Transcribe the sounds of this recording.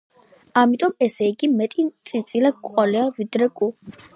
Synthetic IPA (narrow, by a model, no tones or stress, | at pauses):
amit̪ʼɔmɛsɛiɡimɛt̪ʼit̪sʼint̪sʼilaɡʼqʼɔliavid̪ɾɛkʼu